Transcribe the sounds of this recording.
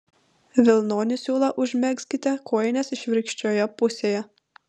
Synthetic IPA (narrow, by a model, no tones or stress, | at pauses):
ʋʲɪlˠnoːnʲɪsʲuːlˠɐʔʊʒʲmʲɛksʲkʲɪt̪ʲɛkʰoːjɛnʲɛsɪʃʲʋʲɪɾɪkʃʲt͡ʃʲoːjɛpʊsʲeːjɛ